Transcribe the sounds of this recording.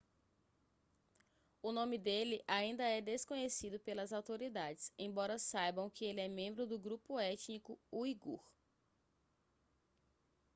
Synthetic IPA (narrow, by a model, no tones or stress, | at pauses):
ʊnõmɪd̪elɪʔaĩnd̪ɐɛd̪eskõɲesid̪ʊpelɐzawt̪oɾid̪ad͡ʒɪsẽj̃bɔɾɐsajbɐ̃w̃kɪelɪɛmẽmbɾʊd̪ʊɡɾupʊɛt͡ʃnikʊuiɡṵɾ